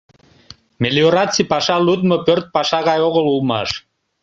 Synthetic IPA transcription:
melioɾɑt͡sipɑʃɑlut̪məpørt̪̚pɑʃɑɣɑjoɣəlulmɑ̰ʃ

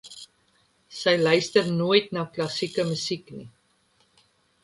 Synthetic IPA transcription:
səjlœɥstərnuəjtnɑːklɐsikəmysiknḭ

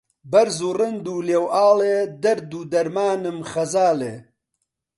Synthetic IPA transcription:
bɐɾzuːrɨnd̪uːleːwaːled̪ɐɾd̪uːd̪ɐɾmaːnɨmxɐzaːle

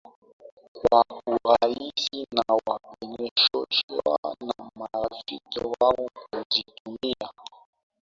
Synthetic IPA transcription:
kwauɾaisinawaɓɛɲɛʃɔt͡ʃa̰namaɾafikiwaɔkuzitumia

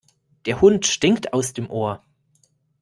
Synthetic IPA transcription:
d̥eːɐhʊntʃtɪŋktʰaʊsd̥eːmʔoːɐ

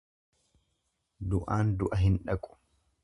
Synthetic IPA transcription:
d̪ʊʔaːnd̪ʊʔɐɦɪnᶑɐkʼʊ̥

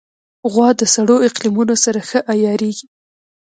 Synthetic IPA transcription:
ɣwɑd̪əsaɽoɪqlimunosaɾaxəʔajɑɾeɡi

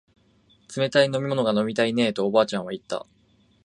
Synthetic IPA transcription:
t͡sɨme̞t̪aino̞mʲimo̞noɡano̞mʲit̪aine̞ːt̪o̞ːbaːt͡ɕãɰ̃βait̪ːa̰

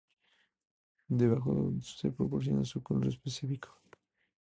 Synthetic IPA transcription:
d̪eβaxo̰sepɾopoɾθ̬jo̰na̰sukonɾespesifikʰo̥

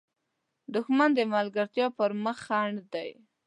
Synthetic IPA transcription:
d̪ʊxmand̪əmalɡaɾt̪jɑpəɾməxaɳɖd̪aj

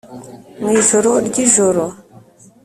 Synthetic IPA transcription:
ŋizoɾoɗɡizoɾo

